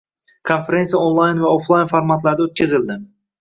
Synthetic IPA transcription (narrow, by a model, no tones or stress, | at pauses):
kʰonfeɾe̞nsijaonlˠajnvaoflˠajnfoɾmat̪laɾd̪aot̪̚kʲʰazɪld̪ɪ